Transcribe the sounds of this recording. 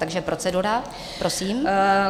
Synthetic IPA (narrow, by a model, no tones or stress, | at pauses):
t̪aɡʒɛpɾot͡sɛduɾa | pɾʔo̞siːm